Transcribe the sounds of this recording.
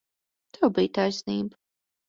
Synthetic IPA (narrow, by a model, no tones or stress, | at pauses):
t̪ʰɛwbiːt̪ajsniːb